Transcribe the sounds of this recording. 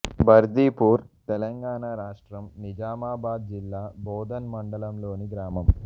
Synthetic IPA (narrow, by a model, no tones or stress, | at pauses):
bʱɐɾd̪iːpuːɾt̪ɛlɐŋɡaːɳaːɾaːʂʈɾɐmnid͡ʒaːmaːbaːd̪̚d͡ʒilːaːbʱɔːd̪ɐnmɐɳɖɐlɐmlo̞ːniɡɾaːmɐm